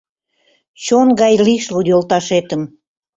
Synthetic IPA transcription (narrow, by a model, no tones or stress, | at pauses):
t͡ɕonɡɑjliʃludjolˠt̪ɑʃet̪əm